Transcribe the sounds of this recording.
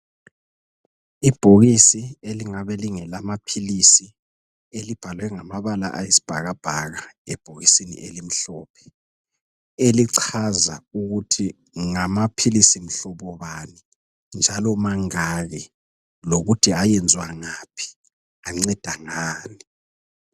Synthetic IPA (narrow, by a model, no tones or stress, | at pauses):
ib̥ʱoɣisieliŋaβɛliŋɛlamapʰilisi | elib̥ʱalwɛŋamaβala̰ʔajisi̥b̥ʱaɣab̥ʱaɣaɛb̥ʱoɣisinḭʔelim̩ɬɔːpʰɛ̥ | eliǀʰaza̰uɣutʰi | ŋamapʰilisim̩ɬɔβɔβani | nd͡ʒʱalɔmaŋaɣɛ | loɣutʰiajɛnd͡zʱwaŋaːpʰi̥ | aŋ͡ǀɛd̥ʱaŋaːni